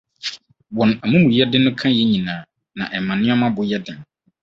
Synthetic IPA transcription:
wɔ̃˨na˨mũ˦mũ˨jɛ˦dɪ˦nʊ̃˦kʰã˦jɛ˦ɲĩ˨nãː˨˦ | nã̰˨ʔɛ˨mã˨nɪ̃˦ɔ˦mã˦bʊ˨jɛ˦dɪ˨n˨

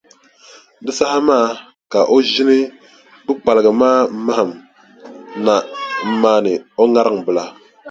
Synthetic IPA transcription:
dɨ˦sa˦ha˦maː˦˨ | ka˨ʔo˦ʒi˦nɨ˦ | bɨ˦k͡pa˨lɨ˨ɡɨ˨maː˦m̩˦ma˦ha˨m | na˨m̩˦maː˦nɨ˨o˦ŋa˦ɾɨ˦ŋbɨ˨la˨

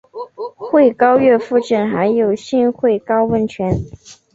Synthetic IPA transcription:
xwe˥˩ɪkɑ˥ʊɥɛ˥˧fu˥˧ʈ͡ʂə˥˩nxa˧˥ɪjo˨˩ʊɕi˥˧nxwe˥˩ɪkɑ˥ʊwə˥˩nt͡ɕʰɥɛ˧˥n

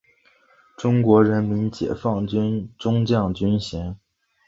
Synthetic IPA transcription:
ʈ͡ʂʊ˥ŋkwɔ˧˥ɻə˧˥nmi˧˥nt͡ɕjɛ̰˨˩fɑ˥˩ŋt͡ɕnʈ͡ʂʊ˥ŋt͡ɕjɑ˥˩ŋt͡ɕy˥nɕɛ˧˥n

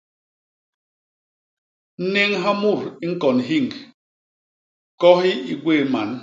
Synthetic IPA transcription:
n̩˦ne˦ŋɦa˦mu˦˨ɾi˦ŋ̩˦kɔ˨nɦi˦˨ŋk | kɔ˦hi˦i˨ɡwe˦˨ma˨˦n

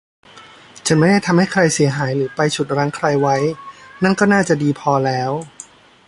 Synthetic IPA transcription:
t͡ɕʰa˩˧˥nm˥˩jda˥˩jt̪ʰa˧mha˥˩jkʰɾa˧jsi˩˦ɦaː˩˦jɾɯː˩˦pa˧jt͡ɕʰu˨˩t̪̚ɾaː˦˥ŋkʰɾa˧jwa˦˥jna˥˩nkɔː˥˩naː˥˩t͡ɕa˨˩diː˧pʰɔː˧lɛː˦˥w

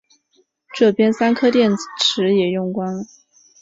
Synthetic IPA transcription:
ʈ͡ʂɤ˥˩pjɛ˥nsa˥nkʰɤ˥t̪jɛ˥˩nʈ͡ʂʰɻ̩˧˥jɛ˨˩jʊ˥˩ŋkwa˥nə˩

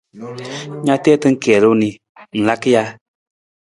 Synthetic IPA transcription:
ɲa˦t̪ɛː˦t̪ɨ˦ŋ̩˦kɛ˨lu˦ni˨ | n̩˨la˦kə˦ja˧˦

